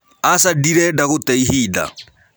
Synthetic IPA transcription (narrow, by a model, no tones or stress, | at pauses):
asadiɾɛdaɣʊtɛiɦiːda̰